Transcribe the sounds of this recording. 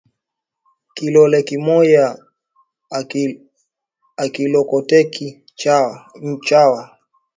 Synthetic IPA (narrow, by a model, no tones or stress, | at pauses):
kilɔlɛkimɔja | akilɔkɔtɛki | aɲ̩t͡ʃawa